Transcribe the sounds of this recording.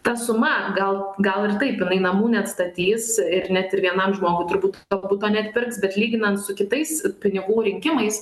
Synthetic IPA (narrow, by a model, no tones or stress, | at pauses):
t̪ɐsʊmɐɡɐlˠɡɐlˠɪrt̪ɐɪpjɪnɐɪnɐmuːnʲɛɐt̪st̪ɐt̪ʲiːsɪɾnʲɛt̪ɪɾʋʲiɛnɐmʒmoːɡʊɪt̪ʊɾbuːt̪oːbuːt̪ːoːnʲɛɐt̪ʲpʲɪrksbʲɛt̪lʲiːɡʲɪnɐnt̪sʊkʲɪt̪ɐɪspʲɪnʲɪɡuːɾʲɪŋʲkʲɪmɐɪs